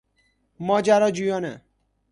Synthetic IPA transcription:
mɔd͡ʒaɾɔd͡ʒujɔnɛ̰

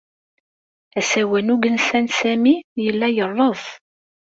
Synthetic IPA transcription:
æsæwænuɡənsænsæmijəlːæjərˤːəðˤ

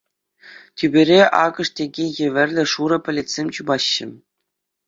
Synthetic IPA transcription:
tʲybʲeɾʲeʔɑ̰ɡɤ̆ʂtʲeɡʲejĕʋʲɘ̆rʲlʲɘ̆ʂuɾɤ̆pʲɘ̆lʲetʲsʲemʲt͡ɕubɑɕːɘ̆

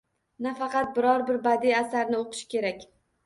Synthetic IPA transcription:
nafɑqɑt̪̚bɪɾɒɾbɪɾbad̪ijasaɾnɪoqʰɨ̥ʃkʲe̞ɾakʲ

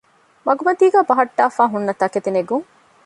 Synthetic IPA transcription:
mɐɡumɐt̪iːɡæːbɐɦɐʈːaːfaːɦunːɐt̪ɐket̪ineɡuŋ

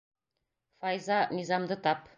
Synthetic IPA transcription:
fɑjzɑnʲizɑmd̪ɤt̪ɑp

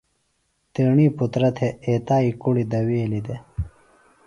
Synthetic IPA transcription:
t̪iɳiːput̪ɾɐt̪ʰeeːt̪aːikuɽid̪ɐweːlid̪e

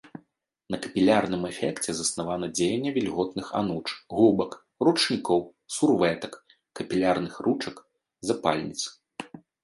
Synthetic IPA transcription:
nɐkɐ̥pʲilʲarnɨmɛfʲɛkt͡sʲɛzɐsnavanɐd͡zʲejɛnʲːɐvʲilʲɣɔt̪nɨxa̰nut͡ʂɣubɐk | rut͡ʂnʲikɔw | survɛt̪ɐkː | ɐpʲilʲarnɨxrut͡ʂɐk | zapa̰lʲnʲit̪sɨ̥

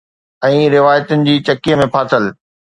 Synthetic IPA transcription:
ɛ̃ːɾɪʋaːjət̪ʊnɪ̆d͡ʑiːt͡ɕɐkiːəmẽpʰaːt̪əl

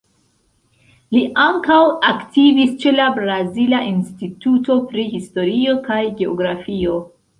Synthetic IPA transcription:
liʔaŋkawaktivist͡ʃe̞labɾazilaʔinstituto̞pɾihisto̞ɾio̞kajɡe̞o̞̰ɡɾafio̞

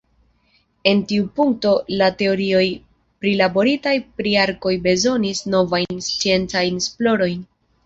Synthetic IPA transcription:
e̞ntiupuŋk̚to̞late̞o̞ɾio̞j | pɾilabo̞ɾitajpɾiaɾko̞jbe̞zo̞nisno̞vajnst͡sie̞nt͡sajnsplo̞ɾo̞jn

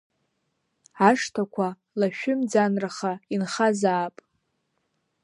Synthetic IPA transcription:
aʂtʰakʷʰa | laʃᶣʊmd͡zanraχainχazaːpʼ

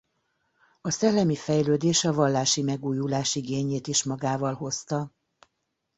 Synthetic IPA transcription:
ɒsɛlːɛmifɛjløːd̪eːʃɒvɒlːaːʃimɛɡuːjulaːʃiɡeːɲeːt̪iʃmɒɡaːvɒlɦo̞st̪ɒ

